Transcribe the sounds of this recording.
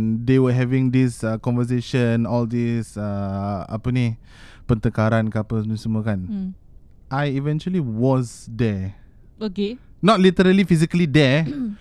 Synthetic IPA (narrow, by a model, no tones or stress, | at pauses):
nd̪ewəɦɛvɪ̃ŋd̪isəkɔ̃nvəs̬eʃə̃nɔld̪isəa̰pəni | pənt̪əkaɾankapəsəmuəkan | ʔajivɛ̃nt͡ʃuəliwɔzd̪ɛ | okenɔtlit̪əɾəlifiz̬ikəlid̪ɛ